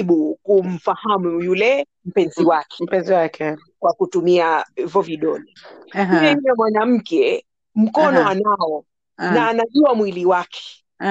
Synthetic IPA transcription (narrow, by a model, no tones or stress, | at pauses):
ɓukum̩fahamujulɛ | m̩pɛnziwakɛ̥m̩pɛnziwakɛ | kwakutumiaivɔviɗɔnɛ | ɛjjɛmwanam̩kɛ | m̩kɔnɔanaɔ | naːnaʄuamwiliwakʰɛ̥